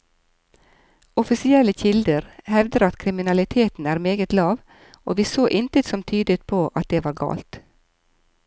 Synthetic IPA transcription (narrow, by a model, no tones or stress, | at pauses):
ɔfɪsɪɛləçɪld̪əɾhɛʋd̪əɾɑt̪kʰɾɪmɪnɑlɪt̪ʰeːt̪n̩æːɾmeːɡət̪lɑːʋ | ʔo̰ːʋiːsoːʔɪnt̪ət̪sɔmt̪ʰyːd̪ət̪̚pʰoːʔɑt̪̚d̪eːʋɑːɾɡɑ̰ːlt̪